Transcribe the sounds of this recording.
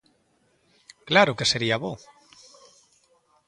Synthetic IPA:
klaɾokeseɾiaβo

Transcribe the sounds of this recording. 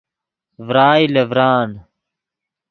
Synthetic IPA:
vɾaːilevɾaːn

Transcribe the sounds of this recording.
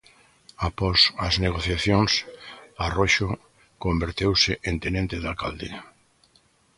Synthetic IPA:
apɔsɐzneɣ̞oθjaθjoŋsaroʃʊ | kombeɾt̪ewsɪʔẽnt̪enẽnt̪ɪðalkald̪ḛ

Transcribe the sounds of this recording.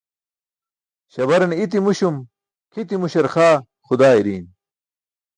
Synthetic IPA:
ɕɐβɐɾɐnit̪̬imuɕum | kʰit̪imuɕɐɾxaː | xud̪aːiɾiːn

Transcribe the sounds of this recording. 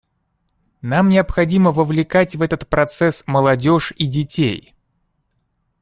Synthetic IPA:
namnʲɪəpxɐdʲiməvəvlʲɪkatʲvɛt̪ət̪pɾɐt̪sɛsməlˠɐdʲoʂidʲɪtʲej

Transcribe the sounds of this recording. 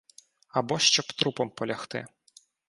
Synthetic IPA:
ɐbɔʃt͡ʃɔbt̪ɾupɔmpɔlʲɐxt̪ɪ̰

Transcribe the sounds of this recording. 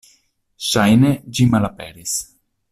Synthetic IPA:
ʃajned͡ʒimalapeɾis

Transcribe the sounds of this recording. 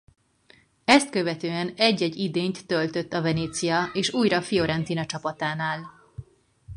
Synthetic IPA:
ɛst̪kø̞vɛt̪øːɛnɛɟːɛɟːid̪eːɲt̪ːølt̪ø̞t̪ːɒvɛneːt̪sijɒeːʃuːjɾɒfijo̞ɾɛnt̪inɒt͡ʃɒpɒt̪aːnaːl

